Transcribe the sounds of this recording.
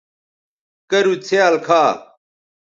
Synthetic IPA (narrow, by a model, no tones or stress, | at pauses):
kɐɾut͡sʰeaːlkʰaː